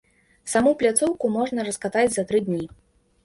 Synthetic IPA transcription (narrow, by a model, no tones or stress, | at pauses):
samuplʲat̪sɔwkumɔʐnɐɾɐskat̪ad͡zʲzɐt̪ɾɨd̪ʲnʲi